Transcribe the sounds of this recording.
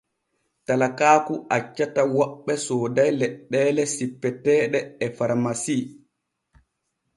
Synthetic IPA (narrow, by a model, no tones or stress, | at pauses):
talakaːkuʔat͡ʃːatawɔɓːɛsɔːdajlɛɗːɛːlɛsipːɛtɛːɗɛːfaɾmasiː